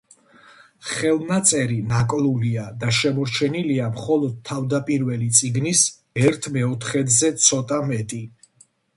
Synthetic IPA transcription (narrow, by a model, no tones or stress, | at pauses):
χɛlˠnat̪sʼɛɾinakʼluliad̪aʃɛmɔɾt͡ʃʰɛniliamχɔlˠɔd̪̚t̪ʰːavd̪apʼiɾvɛlit̪sʼiɡnis | ɛɾt̪ʰmɛɔt̪ʰχɛd̪zɛt̪sʰɔt̪ʼamɛt̪ʼi